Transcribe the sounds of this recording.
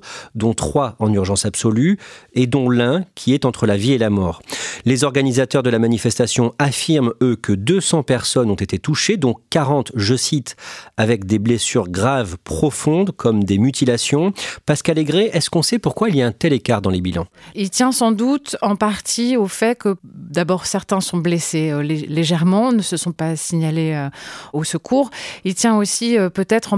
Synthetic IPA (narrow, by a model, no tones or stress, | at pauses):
d̪ɔ̃t̪χwaɑ̃nyʁʒɑ̃sapsɔlyed̪ɔ̃lɛ̃kʲʰiɛt̪ɑ̃t̪χəlavielamɔːʁlezɔʁɡanizat̪œʁd̪əlamanifɛst̪asjɔ̃afiʁmøkəd̪øsɑ̃pɛʁsɔnɔ̃t̪et̪et̪uʃed̪ɔ̃kaʁɑ̃t̪ʒəsit̪avɛkd̪eblesyʁɡʁavpχɔfɔ̃d̪kʰɔmd̪emyt̪ilasjɔ̃paʁskaleɡʁeʔɛskɔ̃sɛpuʁkwailiaɛ̃t̪ɛlekaʁd̪ɑ̃lebilɑ̰̃ilt̪jɛ̃sɑ̃d̪ut̪ɑ̃paʁt̪ʰiofɛkəd̪abɔʁsɛʁt̪ɛ̃sɔ̃bleseøleleʒɛʁmɑ̃nəsəsɔ̃pasiɲaleøosəkʰuːʁilt̪jɛ̃osiøpøt̪ɛt̪χɑ̃